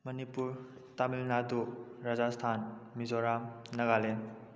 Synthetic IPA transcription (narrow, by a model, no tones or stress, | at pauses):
mɐnipuɾ | tamilnaduɾazastʰanmizɔɾamnɐɡalen